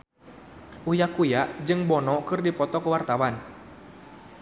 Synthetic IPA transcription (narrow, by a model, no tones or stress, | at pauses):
ʔujakujaʔd͡ʒɨŋbɔnɔkɨrdipɔt̪ɔkəwart̪awan